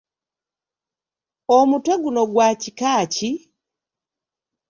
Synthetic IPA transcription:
omutweɡuno̞ɡwacikaːci

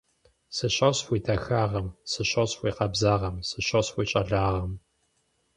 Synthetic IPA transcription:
sɨɕɐɕxʷiːtʰɐxaːʁɐmsɨɕɐɕxʷiːqɐbzaːʁɐmsɨɕɐɕxʷiːt͡ʃʼɐɮaːʁɐm

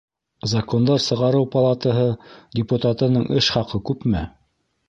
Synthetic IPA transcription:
zɐkond̪ɑɾsɤ̆ʁɑɾɤwpɐlˠat̪əɦɤdʲɪput̪at̪ɤ̆nɤɴʔɘʃχɑqɤkʉpmɘ

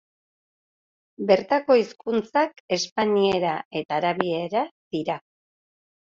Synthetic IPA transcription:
be̞ɾt̪ako̞iskunt͡sake̞spaɲieɾaʔe̞t̪aːɾaβie̞ɾad̪̥iɾa

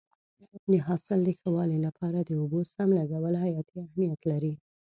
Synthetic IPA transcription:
nəɦɑsɪld̪əxəwɑlilapʰɑɾad̪əobosamlaɡawəlhajɑt̪iahmijat̪laɾi

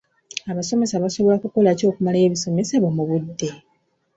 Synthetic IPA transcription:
aβaso̞me̞saβaso̞βo̞lakuko̞laco̞ːkumalaeːβiso̞me̞saβomuβudːe̞

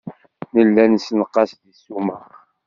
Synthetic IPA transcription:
nəlːænsnəqːɑsðisːuməχ

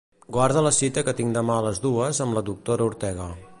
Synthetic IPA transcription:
ɡwaɾð̞ələsit̪əkət̪iŋd̪əmaələzðuəzəmləðuk̚t̪oɾəuɾt̪ɛɣ̞ə

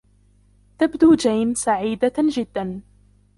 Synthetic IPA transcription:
t̪abd̪uːd͡ʒajnsaʕiːd̪ad͡ʒɪd̪ːan

